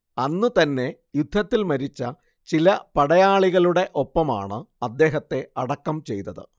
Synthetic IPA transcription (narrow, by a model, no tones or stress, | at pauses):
ɐnːɨt̪ɐnːe̞ | jud̪ʱːɐt̪ːilmɐɾit͡ɕːɐ | t͡ɕilɐpɐɽɐjaːɭiɣɐɭuɽe̞ʔo̞pːɐma̰ːɳɨɐd̪ːe̞ːɦɐt̪ːe̞ɐɽɐkːɐmt͡ɕe̞jt̪ɐðɨ̰